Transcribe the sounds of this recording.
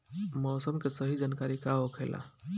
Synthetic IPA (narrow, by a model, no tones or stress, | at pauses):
mɔːsəmkesəɦid͡ʒankaɾikaɦokʰela̰